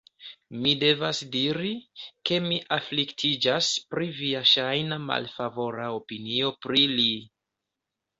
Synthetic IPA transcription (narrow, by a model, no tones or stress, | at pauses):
mide̞vasdiɾike̞miʔafliktʰid͡ʒaspɾiviaʃajnama̰lfavo̞ɾaopinio̞pɾili